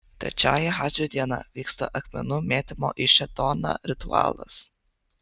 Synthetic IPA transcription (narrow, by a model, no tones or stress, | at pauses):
t̪ʲɾʲɛ̰t͡ʃʲaːjɛxaːd͡ʒʲod̪ʲiɛnɐ̰ʋʲiːkst̪ɐ̰ʔɐxʲmʲɛ̰nʊmʲeːt̪ʲɪmo̰ːʔiʃʲɛt̪oːnɐ̰ɾʲɪt̪ʊɑ̰ːlˠɐ̰s